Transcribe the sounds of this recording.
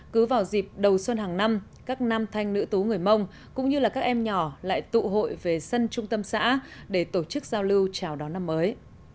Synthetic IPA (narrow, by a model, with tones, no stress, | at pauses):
kɨ˨˦vaː˨˩wzi˨˩p̚ɗə˨˩wswə˧nɦaː˨˩ŋna˧m | kaː˦˥k̚na˧mt̪ʰa˧jŋ̟nɨ̰˧˥t̪u˨˦ŋɨ˨˩əjmə˧wŋ͡m | kʊ̰˧˥ŋ͡mɲɨ˧laː˨˩kaː˦˥k̚ʔɛ˧mɲɔ˧˩la̰ː˧˨jt̪ṵ˧˨ɦo̰˧˨jve˨˩sə˧nt͡ɕʊ˧ŋ͡mt̪ə˧msa̰ː˧˥ɗe˧˩t̪o˧˩t͡ɕɨ˦˥k̚zaː˧wlɨ˧wt͡ɕaː˨˧˩wɗɔ˨˦na˧mːəː˨˦j